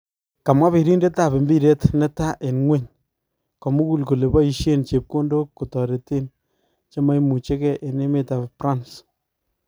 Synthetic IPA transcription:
ka˨mwa˦βe˨ɾi˦nde˦ta˦˨pe˨mbi˦ɾe˦tnɛ˦ta˦ʔe˨nŋwe˦ɲ | kɔ˨mu˦ku˦lko˨le˨bɔ˦i˨ʃe˦nt͡ʃe˨p̚ko˦ndo˦kːo˨tɔ˨ɾe˨te˦n | t͡ʃe˦ma˦jmu˨t͡ʃe˦kɛ˦˨ʔe˨ne˦me˦ta˨ppɾa˦ns

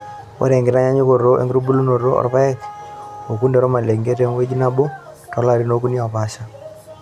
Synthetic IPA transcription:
wo̰˦ɾe˨ŋɡɪ˨ɾa˦ɲa˦ɲo˦ko˨ɾo˦ʔḛ˦ŋɡɾu˦bu˦lu˦no˨ɾo˦ɔ̰˨ɾpa˦ɛ˦ko˨ku˦nde˨ɾo˦ma˨le˨ŋɡe˦te˦m˦we˦d͡ʒi˦na˦bo˦ | tɔ˨˦la˦˨ɾi˦no˦k̬u˦ni˦ɔ˨pa˦ʃa˦

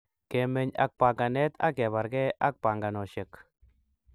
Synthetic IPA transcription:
kɛ˨mɛ˨ɲa̰˨k̚pa˨ŋɡa˨nɛ˦t̪ʰa̰˦kɛ˨βa˨ɾɡɛ˦ʔa˦k̚pa˨ŋɡa˨nɔ˨ʃɛ˨k

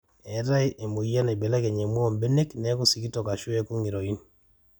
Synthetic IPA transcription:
ɛ˨ɾa˦jʔe˨mo˨ja˦nɛ˨be˨lɛ˦kɛ˨ɲe˨m˦ɔ˦˨mbe˦ne˦knɛ˨˦ku˦si˨ki˦tɔ˨ka˨ʃʊ˦ɛ˦ko˦ŋi˨ɾo˨i˦n

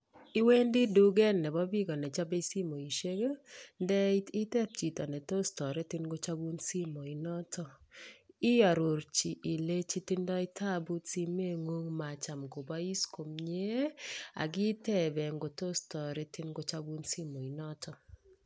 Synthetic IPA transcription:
i˦we˦ndɪ˦du˦ɡɛ˦nːɛ˨bɔ˦bi˦ɡɔ˨nɛ˨t͡ʃa˦be˦si˦mo˨i˨ʃe˦ɡe˦ndɛ˦ɪ˦tɛ˦p̚t͡ʃi˨tɔ˨nɛ˨to˦stɔ˨ɾe˦tɪ˦nɡo˦t͡ʃa˦bu˦nsi˦mɔ˨i˨nɔ˦tʰɔ˦ | ɪ˦ja˨ɾo˨ɾt͡ʃi˨ʔi˨le˦t͡ʃi˦ti˦ndɔ˦ɪ˦tʰa˦bu˦tsi˦me˦˨ŋo˦ŋma˨t͡ʃa˨mɡo˨ba˦i˦sko˨mɲe˦a̰˨ɡɪ˦tɛ˦˨bɛ˨ŋɡo˨to˦stɔ˨ɾɛ˦tɪ˦nɡo˦t͡ʃa˦bu˦nsi˦mɔ˨i˨nɔ˦tʰɔ˦˨

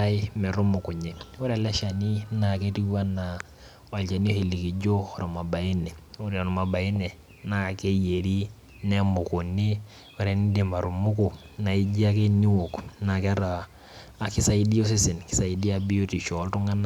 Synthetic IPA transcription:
a˦ɪ˦mɛ˨ɾʊ˦mʊ˨ku˨ɲe˨wo˦ɾa˨lɛ˦ʃa˨ni˦na˨ke˦ti˦wa˦na˨ | wa˨lt͡ʃa˨ni˦o˦hi˨li˨ki˨d͡ʒo˦xɔ˨ɾo˨ma˨ba˨i˦nɛ˨o˦ɾe˨ɔ˨n˨ma˨ba˨i˦ne˨ | na˦˨ke˦je˨ɾi˦ | ne˦mʊ˨ku˨ni˦ | wo˦ɾe˨ni˦de˨ma˨ɾu˨mʊ˦kʊ˨ | na˨i˦d͡ʒi˦a˦ke˦ni˦wo˨kna˨kɛ˦ɾaː˨ | ki˦sa˦i˦di˦o˦s̬i˦si˨nki̥˨sa˨i˨di˦a˦bi˦o˦ti˨ʃɔ˨˦ltu˦ŋa˦na˦

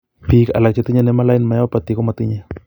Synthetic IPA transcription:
pi˦ka̰˨la˨k̚t͡ʃe˦t̪i˦ɲe˦nɛ˦ma˦la˦ɪ˦nma˨ja˦pa˨t̪i˨ko˦ma˨t̪i˦ɲe˦

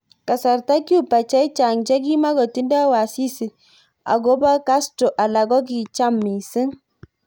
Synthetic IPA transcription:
ka˨sa˨ɾta˦ki˦u˦pa˨t͡ʃɛ˦jt͡ʃa˨ŋd͡ʒɛ˦ɡi˦ma˦ɡɔ˨ti˦nda˦wa˨si˦si˨ | a̰˨ɡo˦ba˦ka˦sto˨ʔa˨la˨ɡɔ˦ɡi˨t͡ʃa˦mːi˨sɪ˦ŋ

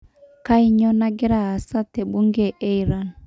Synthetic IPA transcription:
ka˦i˦ɲɔ˦na˦ɡɛ˦ɾa˨a˨sa˦tɛ˨ɓu˦ŋɡɛ˨ʔe˦i˨ɾa˨

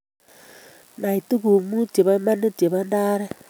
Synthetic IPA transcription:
na˨i˨tu˦ku˨mu˦t͡ʃe˨βa˦ma˦ne˦t͡ʃe˨βa˦ndaː˦ɾɛ˦

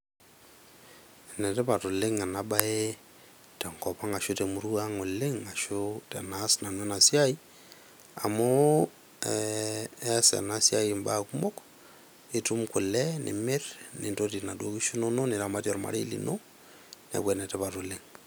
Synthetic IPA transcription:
ɛ˨nɛ˨tɛ˦pa˨tu˨lɪ˦ŋa˨na˨ba˦ɛ˦ | tɛ˨ŋkɔ˨pa˦ŋa˨ʃʊ˦tɛ˨mu˨ɾu˦a˦ŋʊ˨lɪ˦ŋa˨ʃʊ˦tɛ˨na˨˦sna˨nwɛ˦na˨si˦a˦i˦ | a̰˨mo˦ | sɛ̰˨na˨sia˦ji˨mba˦˨ku˦mɔ˦k | ɪ˦tʊ˦mkʊ˨lɛ˦nʔɪ̰˨mɪ˦ɾnɪ˨to˦ti˨na˨do˦ki˦ʃu˦no˦no˦nɪ˨ɾa˨ma˦tjɔ˨ɾma̰˨ɾe˦lḭ˨nʔo˦ | nɛ̰˨kwɛ˨nɛ˨tɛ˦pa˨tʊ˨lɪ˦ŋ

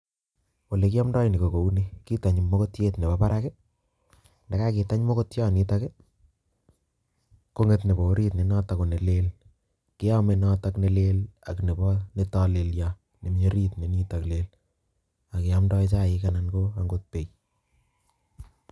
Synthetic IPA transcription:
wo˨le˨kɪ˦a˦mdɔ˦jni˨ko˨ko˨u˦ne˦ki˦ta˨ɲmo˦ko˦tje˦tne˨bɔ˦pa˦ɾʔa˦ke˦ | nda˨ka˦ki˨ta˦ɲmo˦ko˦tja˦˨ni˦ta˦ke˦ | ko˦ŋe˦tne˨bo˨˦ɾi˦tne˨nɔ˦ta˨ko˨ne˨le˦l | kɪ˦a˦me˨nɔ˦takne˨le˦la˨kne˨bɔne˦ta˦le˨lja | ne˨m˦e˦ɾi˦tne˨ni˦ta˨kle˦l | a˨kɪ˨a˦mdɔ˦jt͡ʃa˦˨ɪ˦kana˦nko˦a˨ŋɡot̚pe˨j

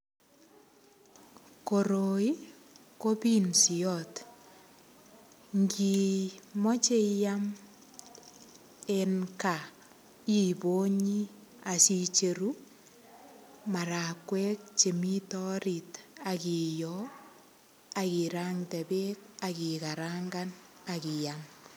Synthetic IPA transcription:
ko˨ɾo˨i˦ | ko˦pi˦nsi˨ɔt | ŋɡi˨mɔ˦t͡ʃe˦ja˦m | e˦nka˨ | i˦˨bo˦ɲi˦a˨si˦t͡ʃe˨ɾu | ma˨ɾa˨kwɛ˦k̚t͡ʃe˨mi˦tɔ˦ɾita˨ki˨jɔ˦ | aki˨ɾaŋtɛ˨be˦k̚aki˨kaɾaŋɡa˦n | aki˨jam

